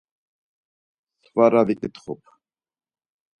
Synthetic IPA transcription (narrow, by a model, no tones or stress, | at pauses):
svaɾavikʼit̪χṵpʰ